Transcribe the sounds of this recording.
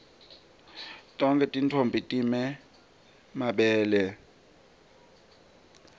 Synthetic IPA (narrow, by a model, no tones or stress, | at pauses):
tʼɔŋkʼɛtʼintʰombʱitʼimɛ | maɓɛːlɛ